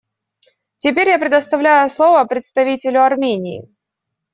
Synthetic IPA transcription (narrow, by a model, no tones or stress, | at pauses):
tʲɪpʲeɾʲjapɾʲɪd̪əst̪ɐvlʲæjʊslˠovəpɾʲɪt̪st̪ɐvʲitʲɪlʲʊɐrmʲenʲɪ̰ɪ̰